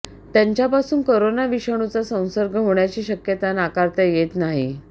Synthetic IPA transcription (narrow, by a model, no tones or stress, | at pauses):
t̪jaɲt͡ɕjapasuːnkoɾonaʋiɕəɳ̃ut͡sasə̃w̃səɾɡʱəɦoɳjat͡ɕiːɕəkjət̪anakaɾt̪əjet̪naɦḭ